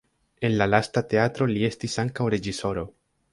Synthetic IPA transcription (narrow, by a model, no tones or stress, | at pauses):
e̞nlalastate̞atɾo̞lie̞stisaŋkawɾe̞d͡ʒiso̞ɾo̞